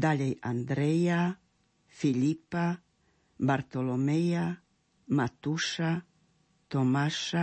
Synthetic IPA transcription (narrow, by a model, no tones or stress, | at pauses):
d̪aʎeja̰nd̪ɾeja | filipa | baɾt̪olomeja | mat̪uʃa | t̪omaʃa